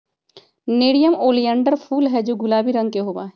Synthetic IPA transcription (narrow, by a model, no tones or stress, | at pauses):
neːɽijəmoːlijɛ̃ːɳɖəɾfʰuːlɦɛd͡ʒoːɡʊlaːbʱiɾɐ̃ŋɡ̚keɦoːba̰ːɦɛː